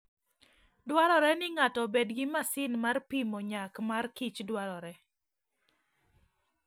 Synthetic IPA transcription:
dwaɾɔɾɛnɪŋatɔbedɡɪmasɪnmarpimɔɲakmarkit͡ʃdwaɾɔɾɛ

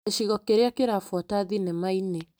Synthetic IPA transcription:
eʃiɣɔkeɾeakeɾafwɔtaðinemaine

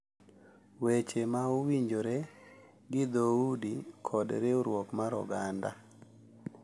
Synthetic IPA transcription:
wet͡ʃemaʊwiɲd͡ʒoɾe | ɡɪd̪oudikʰɔdɾɪoɾwɔkmaɾɔ̰ɡanda

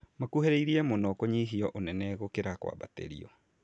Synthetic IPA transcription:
makuɦeɾeiɾiɛmonɔkoɲiɦiɔʔonɛnɛɣokeɾakwa̰βa̰tḛɾḭɔ

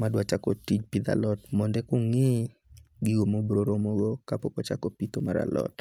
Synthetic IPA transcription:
madwat͡ʃakotid͡ʒpid̪a̰lɔtmɔndɛkʊŋɪ | ɡiɡomobɾoɾomɔɡokapokɔt͡ʃakopit̪omaɾa̰lɔ̰t

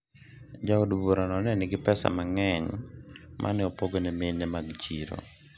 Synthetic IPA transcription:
d͡ʒaudboɾanɔnɛnɪɡɪpɛsa̰maŋɛɲ | mʔa̰nɪɔpoɡonemenɛmaɡt͡ʃiɾo̰

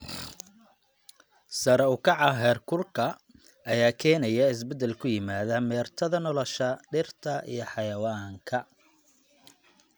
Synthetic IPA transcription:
sɐɾɛʊkʰɑʕɑɦɛːrkʰʊrkʰɐ | ɐjaːkʰɛːnɐjɐɪs̬bɛd̪ɛlkʰʊjɪmaːðɐmɛːrt̪ʰɐðɐnɔlɔʃɐɖɪrt̪ʰɐʔḭjɞħɑjɐwaːŋkʰɐ

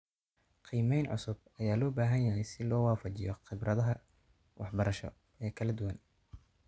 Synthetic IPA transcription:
qʰiːmɛjnʕʊ̰sʊb | ɐjaːlɔːbaːɦɐnjɐɦɛjsɪlɔːwaːfɐt͡ʃɪjɔχɪbrɐðɐɦɐ | wɑħbɐɾɐʃɔ̰ | ɛːkʰɐlɐd̪ʊwɐn

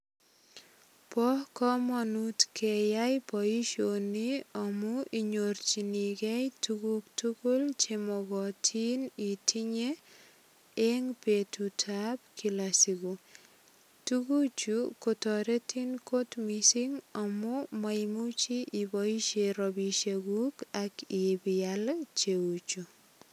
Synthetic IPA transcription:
pɔhkɔmɔnutkʰɛjajpɔiʃoniɔmɔʔiɲort͡ʃiniɡɛjtuɡuk̚tukult͡ʃemɔɡɔtʰinitʰiɲe | eŋpetutʰab̚kʰilasiɡu | tuɡut͡ʃukotɔɾetʰinkotmisiŋamɔmaimut͡ʃiʔibɔiʃeɾɔbiʃeɡukakɪbɪalt͡ʃeut͡ʃu

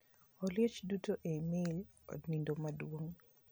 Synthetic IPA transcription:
ɔljet͡ʃdutoʔemɪl | ɔ̰dnindomadwoŋ

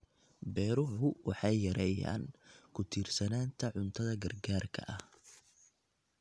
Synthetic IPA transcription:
bɛːɾʊʊwɑħɑjːɐɾɛːja̰ːnkʰʊt̪ʰiːrsɐnaːnt̪ʰɐʕʊnt̪ʰɐðɐɡɐrɡaːrkʰɐ̰ʔɐh

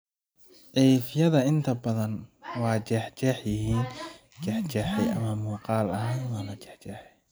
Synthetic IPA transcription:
ʕɛjfjɐðɐɪnt̪ʰɐbɐðɐnwɑːt͡ʃɛːħt͡ʃɛħjɪɦiːn | t͡ʃɛːħt͡ʃɛːħɛjʔɐ̰mɐmuːqɑːlɐɦaːnwaːnɐt͡ʃɛ̥ħt͡ʃɛːħɛj

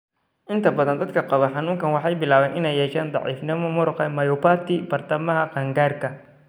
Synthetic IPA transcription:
ʔɪnt̪ʰɐbɐðɐnd̪ɐd̪kʰɐqɑβɐħɑnuːŋkʰɐnwɑħɑjbɪlaːβɛːnʔɪnɛjːɛːʃaːnd̪ˤɑ̰ʕḭːfnɪmɐmʊɾʊqɛmɐjɔpaːt̪ʰɪb̥ɐrt̪ʰɐmɐɦɐqɐŋɡaːrkʰɐ

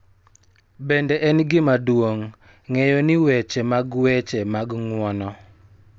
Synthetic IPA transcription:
bendɛʔɛnɡɪmadwoŋː | ɛjɔnɪwɛt͡ʃemaɡwɛt͡ʃɛmaɡŋwɔnɔ

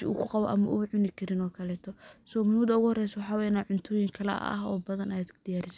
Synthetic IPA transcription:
ɪ̰ṵːkʰʊqɑβɔ̰ʔɐ̰mɐʔuʕʊnɪkʰɐɾɪnɔːkʰɐlɛːt̪ʰɔsɔːmmuːd̪ɐʊɣʊhɔrɛjsɐwɑħɑːwɛjnaːʕʊnt̪ʰʊːjɪŋkʰɐlɛ̰ɐ̰ɦɔ̰ːbɐðɐnɐjd̪d̪̥ɪjaːɾɪsɐ

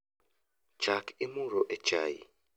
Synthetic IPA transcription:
t͡ʃakɪmuɾɔʔɛt͡ʃa̰jḭ

